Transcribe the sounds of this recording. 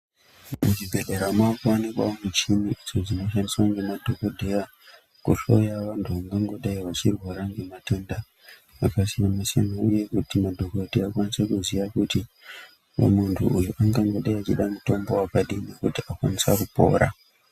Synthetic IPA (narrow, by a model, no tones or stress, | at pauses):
muʐibʱe̞ɗeɾamwakuonekwa̰omut͡ʃimiʔizo̞d͡zino̞ʃ̬andiswaŋɡemadʱo̞kodʱeja | kuɬo̞jaʋantʰuʋaŋɡaŋɡo̞ɗaiʋat͡ʃirwaɾaŋɡe̞matonda | akasinamasḛmauje̞kutimadʱoko̞dʱeakwanisekuziʋakuti | o̰muntʰṵujuʔaŋɡaŋɡo̞ɗaiat͡ʃiɗamuto̞mbo̞wakaɗinekutiakwanisakupo̞̰ːɾa̰